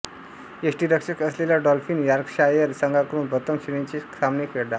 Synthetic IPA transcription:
esʈiːɾəkʂəkəslelaɖɔlfiːnjaɾkʂajəɾsəŋɡakɾuːnbət̪əmɕinĩt͡ɕisamnikeɽd̪aɾ

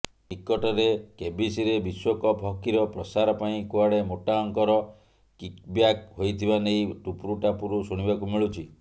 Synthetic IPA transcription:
ikːɔʈɔɾekebisiɾebiswɔkɔpʰɔkiɾɔpɾɔsaɾɔpaĩkuaɽemoʈaɔŋkɔɾɔ | kik̚bjak̚ɦojt̪ʰibanejʈupɾuʈapuɾusuɽ̃ibakumiɭut͡ʃʰi

